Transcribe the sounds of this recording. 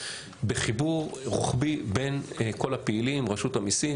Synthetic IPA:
beχibuʁʁṵχbibenko̞lapeilimʁaʃutamisi

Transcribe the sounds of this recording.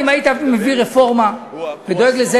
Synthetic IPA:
imait̪aimeviʁefo̞ʁmaved̪o̞eɡleze

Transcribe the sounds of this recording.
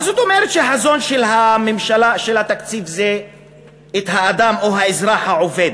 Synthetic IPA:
azot̪o̞meʁet̪ʃeɦazo̞nʃelɦamemʃalaʃelhat̪akt͡sivzeː | t̪haːd̪amoɦaezʁaħhaʕo̞ve̞d̪

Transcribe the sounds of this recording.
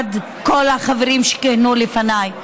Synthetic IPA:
d̪ | kolhaχaveʁimʃe̥kehnulefanaj

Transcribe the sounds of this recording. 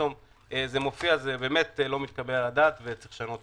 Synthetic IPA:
om | ezemo̞fiazebeːme̞tlo̞mit̪̚kabeladaːt̪vet͡sʁi̥χʃano̞t

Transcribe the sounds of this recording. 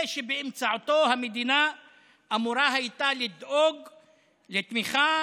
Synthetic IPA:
ʃebeːmt͡saʕot̪o̞hamed̪ina | ʔamuɾaɦajit̪alid̪ʔoɡ | let̪miχa

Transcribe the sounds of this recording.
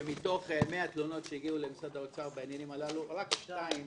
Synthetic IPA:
mito̞χme̞at̪lono̞tʃejiɡiulemisad̪aot͡saʁbeanjanimalaluʁakʃnaim

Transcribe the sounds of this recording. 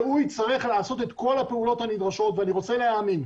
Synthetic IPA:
ujt͡saʁiχlaːso̞t̪e̞t̪ko̞lapeulo̞thanidʁaʃo̞t̪veaniʁo̞t͡seleaːmin

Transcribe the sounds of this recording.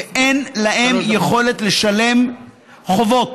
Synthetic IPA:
enlahemjeχo̞let̪le̞ʃale̞m | χo̞vo̞t̪

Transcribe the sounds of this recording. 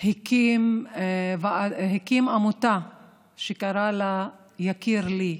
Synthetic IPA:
hikim | vaɦikimamut̪a | ʃekaɾala | jakiɾli

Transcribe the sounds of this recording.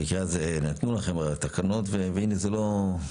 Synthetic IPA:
kiaznat̪nulaχemat̪akanot̪veveinezelo̞

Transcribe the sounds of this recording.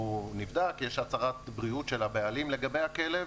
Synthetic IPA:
univd̪akjeʃat͡saʁat̪bʁiutʃelabealimle̞ɡabe̞jhakelev

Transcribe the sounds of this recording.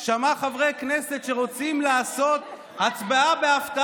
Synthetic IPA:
ʃamaχavʁejkne̞set̪ʃe̞ʁo̞t͡simlaːso̞t̪ | hat͡sbaabeaft̪a

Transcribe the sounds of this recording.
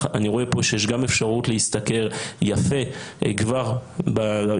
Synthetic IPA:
aniʁoe̞po̞ʃejeʃɡame̞fʃaʁutleist̪ake̞ʁjafe̞ɡvaʁba

